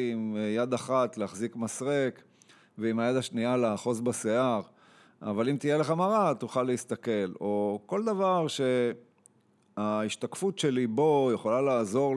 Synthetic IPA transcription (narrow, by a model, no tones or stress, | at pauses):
imjad̪aχat̪leaχzikmasʁek | veimajad̪aʃnialaːχo̞zbaseaʁ | a̰valimt̪ijeleχamaʁat̪uχalːeist̪ake̞lo̞ko̞ld̪avaʁʃe̞ | aiʃt̪akfutʃe̞libo̞jeχolalaːzo̞ʁ